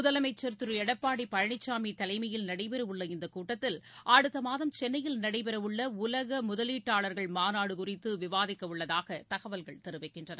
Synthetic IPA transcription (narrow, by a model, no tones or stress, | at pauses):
mʊðɐlɐmɐɪt͡ʃːɐɾt̪ɯɾɯɛɽɐpːaːɽipːɐɻɐɳɪt͡ʃːaːmit̪ɐlɐɪmɐjɪlnɐɽɐɪpɛɾɐʋɯɭːɐɪnd̪ɐkuːʈːɐt̪ːɪlʔaːɽɯt̪ːɐmaːðɐmt͡ʃɛnːɐjɪlnɐɽɐɪpɛɾɐɯɭːɐʊlɐɣɐmʊðɐliːʈːaːɭɐɾɣɐɭmaːnaːɽɯkʊrɪt̪ːɯʋɪʋaːðɪkːɐʋɯɭːɐðaːɣɐt̪ɐɣɐʋɐlɣɐɭt̪ɛɾɯʋɐɪkːɪndrɐnɐ̰